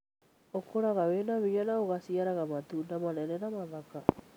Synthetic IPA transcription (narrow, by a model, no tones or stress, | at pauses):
okʰoɾaɣawenaβiɣanaoɣasiaɾaɣamatunamanɛɾɛnamaðaka